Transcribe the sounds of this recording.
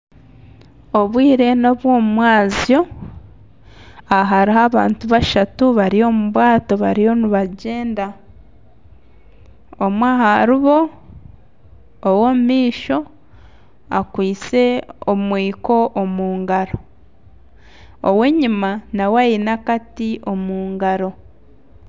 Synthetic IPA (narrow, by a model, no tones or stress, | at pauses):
oβwiːɾe̞no̞βwoːmumwaːzjo̞ | aɦaɾiɦaβaːntuβaʃatuβaɾijo̞muβwaːto̞βa̰ɾijo̞niβaɟe̞ːnda | omwaːhaɾiβo̞ | womumiːʃo̞ | akwiːt͡se̞omwiːko̞ʔomuːŋɡaɾo̞ | oweɲimanawajinakatiʔomuːŋɡaɾo̞